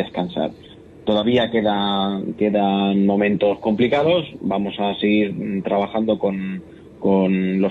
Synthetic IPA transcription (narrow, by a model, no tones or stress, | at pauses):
eskansa̰ɾ | t̪o̞ðaβiake̞ðake̞ðanmõ̞mẽ̞nt̪o̞sko̞mplikaðo̞sbamo̞saseɣiɾt̪ɾaβaxand̪o̞ko̞n | ko̞nlo̞